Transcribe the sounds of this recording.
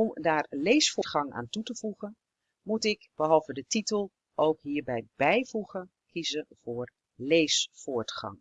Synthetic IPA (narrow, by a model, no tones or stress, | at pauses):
ɔmdaːɹlejsfʊtχɑŋa̰ːntutəv̥uχən | mutɪkb̥əɦɑlˠvədətitəlˠ | owkɦiːɹbɛjb̥ɛjvuχən | kʰizənv̥ʊːɹ | lejsfʊːɹtχɑ̰ŋ